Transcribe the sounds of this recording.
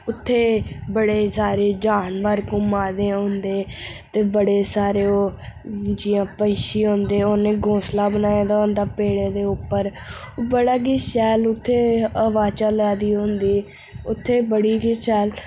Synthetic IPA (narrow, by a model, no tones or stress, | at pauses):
ʊt̪ʰːeːbəɽeːsaːɾeːd͡ʒaːnʋəɾkʊmaːd̪eːɦʊ̃nd̪eːt̪eːbəɽeːsaːɾeːoː | d͡ʒɪjãːpə̃ːʃiːɦõːnd̪eːoːneːɡõːslaːbənaːjaːd̪aːɦõnd̪aːpeːɽeːd̪eːʊpːəɾbəɽaːɡiːʃɛːlʊt̪ʰːeːəʋaːt͡ʃaːlɛːd̪iːɦʊ̃nd̪iː | ʊt̪ʰːeːbəɽiːɡiːʃɛːl